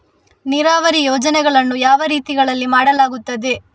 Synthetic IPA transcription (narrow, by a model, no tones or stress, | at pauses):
niɾaːʋɐɾijɔːd͡ʒɐnɛɡɐɭɐnːujaːʋɐɾiːt̪iɡɐɭɐlːimaːɽɐlaːɡut̪ːɐd̪e